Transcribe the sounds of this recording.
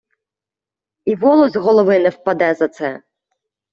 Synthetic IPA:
ivɔlˠɔzʲɣɔlˠɔvɨnɛfpad̪ɛzɐt̪sɛ

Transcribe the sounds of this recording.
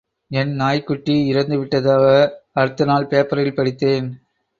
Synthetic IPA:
ɛnnaːjkːʊʈːiɪɾɐnd̪ɯʋɪʈːɐðaːɣɐɐɾɯt̪ːɯnaːlpeːpɐɾɐjɪlpɐɽɪt̪ːeːn

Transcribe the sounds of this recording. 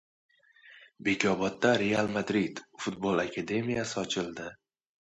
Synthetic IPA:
be̞kʲʰɒbɒt̪̚ːaɾe̞alˠmad̪ɾid̪̥fʊt̪bolˠakʲʰad̪e̞mijasɪɒt͡ʃʰɪlˠd̪ɪ

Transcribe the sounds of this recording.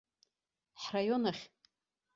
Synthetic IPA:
ħrajo̞naχʲ

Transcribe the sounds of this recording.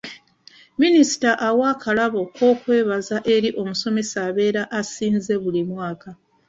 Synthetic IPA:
minisi̥taʔawakʰalaβo̞ko̞ːkwe̞ːβazaʔe̞ɾiʔo̞muso̞me̞saːβe̞ːɾaʔasiːnze̞βulimwaːka

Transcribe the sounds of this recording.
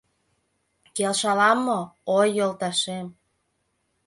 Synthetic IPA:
kelʃɑlɑmːoojːolt̪ɑʃem

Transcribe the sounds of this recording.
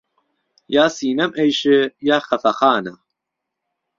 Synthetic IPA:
jaːsiːnɐmʔejʃɨjaːxɐfɐxaːnɐ

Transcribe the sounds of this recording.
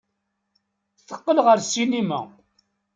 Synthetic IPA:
θə̥qːəlʁəɾsinimæ̰

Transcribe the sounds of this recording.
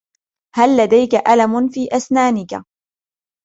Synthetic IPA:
halːad̪ajkaʔalamʊnfiːʔasnaːnɪka̰

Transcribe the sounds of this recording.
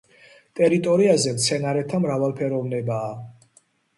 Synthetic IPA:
t̪ʼɛɾit̪ʼɔɾiazɛmt̪sʰɛnaɾɛt̪ʰamɾavalˠpʰɛɾɔvnɛbaː

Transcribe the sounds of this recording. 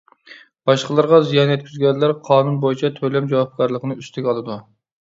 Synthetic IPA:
b̥ɑʃqəlˠɑɾʁɑzijɑnɛt̪̚kʲyzɡʲɛnlæɾqʰɑːnunbojit͡ʃʰɛt̪ʰølɛmd͡ʒɑwɑp̚kʲʰɑɾlˠəqʰənɨyst̪ʰɪkʲɑlˠɨd̪u

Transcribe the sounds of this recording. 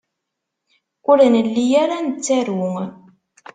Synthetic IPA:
ʊɾnəlːijaɾanət͡sːaɾwʊŋ

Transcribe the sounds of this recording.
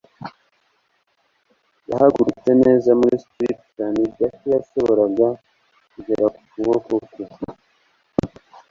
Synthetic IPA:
ja̰haɡuɾut͡se̞ne̞ːzamuɾistɾḭpkanibɟakijaso̞βo̞ɾaɡa | kuɟeɾaku̥kuβo̞koko

